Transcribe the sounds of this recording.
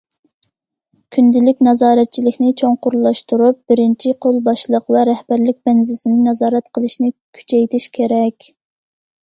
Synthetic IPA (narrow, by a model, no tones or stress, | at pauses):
kʲʰynd̪ɪlɪkʲnɑzɑːɾɛt̪̚t͡ʃʰilɪkʲnɪt͡ʃʰoŋqʊɾlˠːɑʃt̪uɾup̚b̥ɪɾɪnt͡ʃʰiqʰolˠbɑʃlˠəqvɛɾɛhb̥æɾlɪk̚ʲbɛnzɪsɪnɪnɑzɑːɾɛt̪qʰəlˠɨʃnɪkʲʰy̥t͡ʃʰɛjt̪ʰɪʃkʲʰeɾɛkʲ